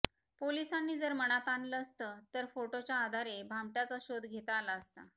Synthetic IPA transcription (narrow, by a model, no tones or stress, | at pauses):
polisanːiːd͡zəɾməɽ̃at̪aɳɖləəst̪ət̪əɾfoʈot͡ɕjaːd̪ʱaɾebʱamʈat͡saɕod̪ʱɡʱet̪aːlaəst̪a̰